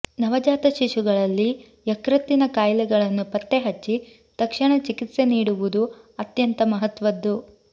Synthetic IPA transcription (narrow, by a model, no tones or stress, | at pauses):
nɐʋɐd͡ʒaːt̪ɐʃiʃuɡɐɭɐlːi | jɐkɾɐt̪ːinɐkaːjlɛɡɐɭɐnːupɐt̪ːe̞ɦɐt͡ʃːi | t̪ɐkʂɐɳɐt͡ʃikit̪se̞niːɽuʋud̪u | ɐt̪jɐnt̪ɐmɐɦɐt̪ʋɐd̪ːu